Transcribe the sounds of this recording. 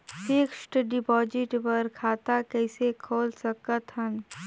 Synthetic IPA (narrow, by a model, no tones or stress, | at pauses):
fɪkʃʈɖɪpɔːd͡ʒɪʈpəɾkʰaːt̪akɛːsekʰoːlsəkət̪ɦən